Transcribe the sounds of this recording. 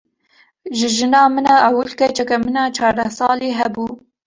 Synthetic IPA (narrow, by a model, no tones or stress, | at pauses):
ʒɨʒɨnɑːmɨnɑʔawʊlkɛt͡ʃʰɛkɛmɨnɑːt͡ʃʰɑːɾd̪ɛsɑːleːɦɛbuː